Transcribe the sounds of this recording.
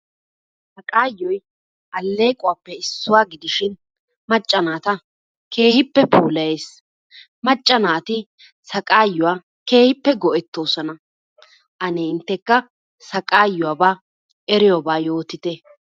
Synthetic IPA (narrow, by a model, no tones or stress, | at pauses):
sɐkʼaːjːɔj | ʔɐlːe̞ːkʼʊwaːpːɛɪsːʊwaːɡɪd̪ɪʃɪn | mɐt͡ʃʼːɐnaːt̪ɐ | ke̞ːhɪpːɛpuːlɐjeːs | mɐt͡ʃʼːɐnaːt̪ɪ | sɐkʼaːjːʊwaː | ke̞ːhɪpːɛɡɔʔɛt̪ːo̞ːsɔnɐ | ʔɐneːɪnt̪ːɛkːɐ | sɐkʼaːjːʊwaːbaː | ʔɛɾɪjobaːjo̞ːt̪ɪt̪ɛ